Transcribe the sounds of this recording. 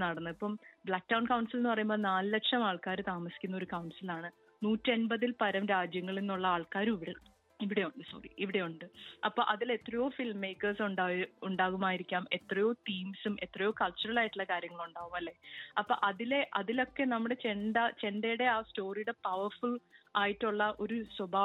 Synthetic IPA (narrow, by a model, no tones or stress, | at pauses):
nɐɽɐnːɨipːɐmbɭaːk̚dɐwɳkɐwɳsilenːɨpɐrɐjumbo̞ːnaːlɨlekʂɐmaːɭkaːɾɨt̪aːmɐsikʲːunːɐo̞ɾukɐwɳsilaːɳɨ | nuːtːenbɐðilpɐɾɐmɾaːd͡ʑjɐŋːɐɭinːuɭːɐaːɭkaːɾumiʋiɽe | iʋiɽe̞juɳɖɨso̞̰ːrḭʔiʋiɽe̞juɳɖɨɐpːoːʔɐðile̞t̪ːrɐjo̞ːfilmːe̞jkːɐrsuɳɖaːuɳɖaːɣumaːjiɾikʲːaːme̞t̪rɐjo̞ːtiːmsume̞t̪ːrɐjo̞ːkɐɭt͡ɕːurɐlaːjiʈːuɭːɐkaːɾjɐŋːɐɭuɳɖaːɣumɐlːe̞ɐpːo̰ːʔɐðile̞ʔɐðilo̞kːe̞nɐmːuɽe̞t͡ɕe̞ɳɖɐt͡ɕe̞ɳɖejuɽe̞aːsto̞ːrijuɽe̞pɐʋɐrfuɭaːjiʈːuɭːɐʔo̞ɾuswɐbʱaː